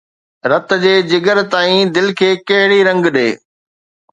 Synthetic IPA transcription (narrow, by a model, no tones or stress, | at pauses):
ɾɐt̪̆d͡ʑeːd͡ʑɪɡəɾt̪aːĩd̪ɪlkʰeːkɐɦɪɽiɾɐ̃ŋɡɗeː